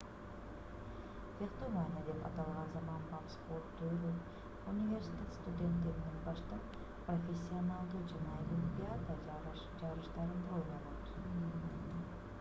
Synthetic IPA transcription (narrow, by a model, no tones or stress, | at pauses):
veqt̪omanʲiad̪e̞pɑ̰t̪ɑlˠʁɑnzɑmɑnbɑp̪spoɾt̪ːøɾɪ | unʲivʲe̞ɾsʲi̥t̪ʲet̪st̪ud̪ʲe̞nt̪ːe̞ɾinenbɑʃt̪ɑ | profʲesʲːionɑlˠd̪ud͡ʒɑnɑelʲimpʲiat̪ə | d͡ʒɑɾɯʃt̪ɑɾɯnd̪ɾojnɑlˠot̪